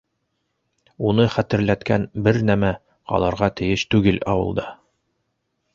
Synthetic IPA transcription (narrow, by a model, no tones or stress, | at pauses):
unɤχæt̪ɘ̆ɾlæt̪kænbɘɾnæmæ | qɑ̰lˠɑɾʁɑt̪ɘ̆jɘʃt̪ʉɡɘlɑwɤ̰̆lˠd̪ɑ